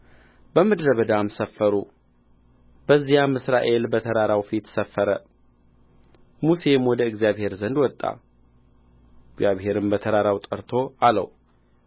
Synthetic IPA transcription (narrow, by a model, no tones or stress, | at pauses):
bəmɨd̪ɾəβəd̪amsəfːəɾu | bəzːijamɨsɾaʔe̞lbət̪ʰəɾaɾawfit̪səfːəɾə | muse̞mwɔd̪əɨɡzjaβhe̞ɾzənd̪wɔt̪ʼːa̰ | ɨɡzjaβhe̞ɾɨmbət̪ʰəɾaɾawt̪ʼəɾt̪ʰo̞alə̰w